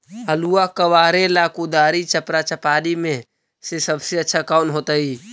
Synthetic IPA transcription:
əluːakəʋaːɾelaːkud̪aːɾit͡ʃəpɾat͡ʃəpaːlimẽ | sesəbseətːʃʰakaʊnɦoːt̪aiː

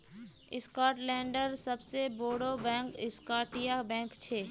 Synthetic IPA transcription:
ɪ̰skaːʈlɛ̃ːɳɖəɾsɐbseboːɽobɛ̃ːŋkɪskaːʈijabɛ̃ːŋkt͡ʃʰeː

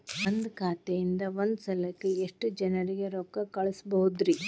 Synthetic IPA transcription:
ond̪kʰaːt̪ejind̪ɐond̪usɐlɐkːeeʂʈd͡ʒɐnɐɾiɡeɾɔkːɐkɐɭɐsbɐɦud̪ɾi

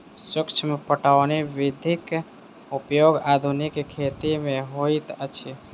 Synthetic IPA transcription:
sɪkt͡ʃʰmepəʈaʋniʋɪd̪ʱik | upjoɡad̪ʱunikkʰːet̪imẽɦoit̪ət͡ʃʰi

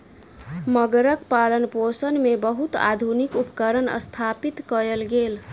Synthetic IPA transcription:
məɡɾəkpalənposənmebəɦut̪a̰d̪ʱunikupəkəɾənə̰st̪ʰapit̪kəɾelɡel

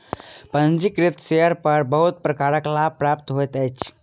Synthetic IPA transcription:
pə̃nd͡ʒikɾɪt̪seəɾpəɾbəɦʊt̪̚pɾəkaːɾəklaːb̚pɾaːpt̪ɦoet̪ɛt͡ʃʰ

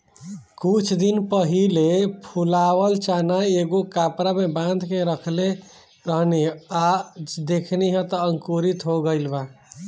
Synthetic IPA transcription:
kut͡ʃʰd̪inpəɦilepʰulawəlt͡ʃanaeɡokapɾamebãnd̪ʱkeɾəkʰle | ɾəɦnead̪ekʰneɦə̃t̪ɔəŋkuɾit̪ɦoɡəɪlba

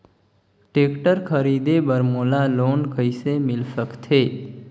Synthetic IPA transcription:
ʈekʈəɾkʰəɾid̪ebəɾmoːlaloːnkəisemɪlsəkt̪ʰe

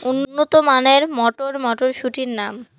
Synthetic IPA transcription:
unːnːot̪omaneɾmɔʈoɾmɔʈoɾʃuʈiɾnam

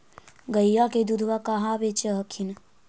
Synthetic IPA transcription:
ɡəjːaked̪ud̪ʱʋakaɦabet͡ʃəɦəkʰin

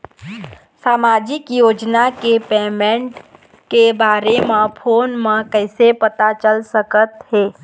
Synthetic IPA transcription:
saːmaːd͡ʒɪkjoːd͡ʒnakepeːmẽɳʈ | kebaːɾemãpʰoːnmãkɛɪsepət̪at͡ʃəlsəkət̪ɦeː

